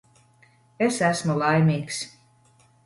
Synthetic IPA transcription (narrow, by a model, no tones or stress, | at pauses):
esæsmulˠɑjmʲiːks